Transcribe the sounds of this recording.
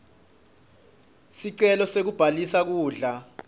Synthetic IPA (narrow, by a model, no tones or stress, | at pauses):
siǀɛlɔsek̬ub̥ʱalisak̬uːɮa